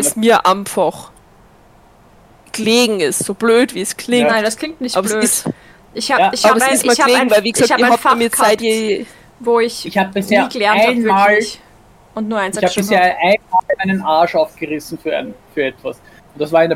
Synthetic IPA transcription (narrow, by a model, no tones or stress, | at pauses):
aɪlsmiːɐʔaɪmfaχ | ɡ̥əleːɡŋ̩ɪstz̥oːb̥løːtv̥iːskʰl̥ɪŋnaɪndaskʰl̥ɪŋk̚tnɪçtʔaːbɐøːɪs | ʔɪçhaːɪçaːbɐsɪstmaːhːleːŋ̩vaɪlviːɡəzaːkaːbəatfaaiːɐaɪtjeː | voːɪçɪçhaːbəbɪsheːɐɡəlɛɐnaɪnmaːllç | ʊntnuːɐʔaɪnzɛabɪsheːɐʔaɪnmaːlaɪnənaːʃaʊfɡ̥əʁɪsn̩fyːɐa̰nfyːɐɛtv̥as | ʊntd̥asvaːɐɪn